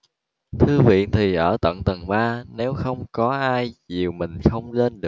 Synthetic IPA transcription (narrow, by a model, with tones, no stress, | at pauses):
t̪ʰɨ˧vḭ˧˨ənt̪ʰi˨˩ʔəː˧˩t̪ə̰˧˨nt̪ə˨˩ŋɓaː˧ne˨˦wxə˧wŋ͡mkɔ˨˦ʔaː˧jzi˨˩əwmï˨˩ŋ̟xə˧wŋ͡mle˧nɗɨ˨˩